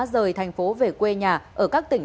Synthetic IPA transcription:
zəː˨˩jt̪ʰɛ˨˩jŋ̟fo˨˦ve˨˩kwe˧ɲaː˨˩ʔəː˧˩kaː˦˥k̚t̪ï˧˩ŋ̟

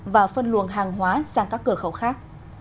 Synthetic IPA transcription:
vaː˨˩fə˧nlwṵ˧˨ənɦaː˨˩ŋɦwaː˨˦saː˧˩ŋkaː˦˥kːɨ˧˩əxə˧˩wxaː˦˥k̚

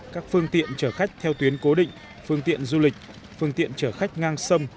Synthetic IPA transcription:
kaː˦˥k̚fɨ˧əŋt̪ḭ˧˨ənt͡ɕəː˧˩xa˦˥jk̟̚t̪ʰɛ˧wt̪wi˨˦ənko˨˦ɗḭ̈˧˨ŋ̟ | fɨ˧əŋt̪ḭ˧˨ənzu˧lï˨˩k̟̚ | fɨ˧əŋt̪ḭ˧˨ənt͡ɕəː˧˩xa˦˥jk̟̚ŋaː˧ŋsə˧m

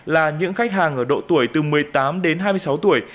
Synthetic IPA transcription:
laː˨˩ɲɨ̰˧˥ŋxa˦˥jk̟̚ɦaː˨˩ŋʔəː˧˩ɗo̰˧˨t̪u˧˩əjt̪ɨ˨˩mɨ˨˩əjt̪aː˨˦mɗe˨˦nɦaː˧jmɨ˧əsa˨˦wt̪u˧˩əj

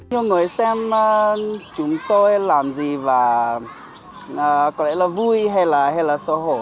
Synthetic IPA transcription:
ɲu˧ŋɨ˨˩əjsɛ˧mː˧t͡ɕʊ˨˦ŋ͡mt̪o˧jlaː˨˩mzi˨˩vaː˨˩ | aː˨˩kɔ˨˦lɛ̰˧˥laː˨˩vu˧jɦa˧jlaː˨˩ɦa˧jlaː˨˩sɔ˧˦ɦo˧˩

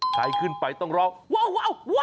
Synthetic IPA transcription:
ka˨˧jkʰɯ˧˩˨npa˨jt̪ɔ˥˧˩ŋɾɔː˧˥k̚wa˧˨wwaː˧˥˨wwa˥

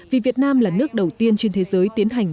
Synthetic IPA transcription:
vi˨˩vi˨˩ət̚naː˧mlaː˨˩nɨ˦˥ək̚ɗə˨˩wt̪i˧ənt͡ɕe˧nt̪ʰe˨˦zəː˨˦jt̪i˨˦ənɦa˨˩jŋ̟

